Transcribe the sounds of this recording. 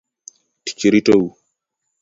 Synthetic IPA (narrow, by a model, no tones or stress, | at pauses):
ti̥t͡ʃiɾitawu